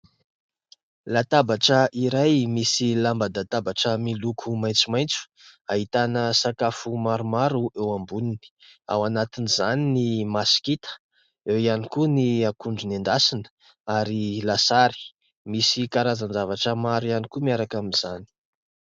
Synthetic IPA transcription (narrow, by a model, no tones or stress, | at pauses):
lat̪abaʈ͡ʂəʔiɾajmisilambad̪at̪abaʈ͡ʂəmilukʰumajnt͡sumajnt͡su̥ | aɦit̪anəsakafumaɾumaɾuʔewambunini̥ | a̰wanat̪inizaninimasi̥kit̪ə̥ | ewianikuniakuɳɖ͡ʐunend̪asinə̥ | aɾilasaɾi̥ | misikaɾazand͡zavaʈ͡ʂəmaɾianikumiaɾakaminz̥ani̥